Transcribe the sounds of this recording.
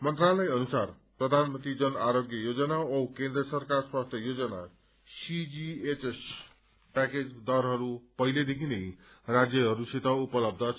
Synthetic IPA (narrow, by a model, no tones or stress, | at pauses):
mʌnt̪ralʌjʌnusar | prʌd̪ʱanmʌnt̪ɾid͡zʌnaɾoɡjʌjod͡zʌnaowkẽnd̪rʌsʌrkarswast̪ʰjʌjod͡zʌna̰ | sid͡ziet͡ses | paked͡zd̪ʌrɦʌɾupʌɦiled̪ekʰinej | rad͡zjʌɦʌɾusit̪ʌupʌlʌb̚d̪ʱʌ